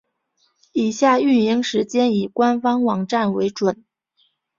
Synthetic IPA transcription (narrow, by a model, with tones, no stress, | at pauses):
i˨˩ɕja˥˩y˥˩ni˧˥ŋʂɻ̩˧˥t͡ɕjɛ˥ni˨˩kwa˥nfɑ˥ŋwɑ˨˩ŋʈ͡ʂa˥˩nwe˧˥ɪʈ͡ʂwə˨˩˦n